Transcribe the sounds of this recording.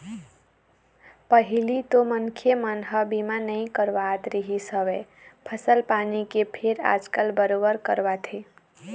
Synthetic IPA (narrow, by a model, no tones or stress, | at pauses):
pəɦilit̪omənkʰemənɦəbimanəĩkəɾʋat̪ɾiɦisəwe | pʰəsəlpanikepʰeɾa̰d͡ʒkəlbəɾobəɾkəɾbat̪ʰe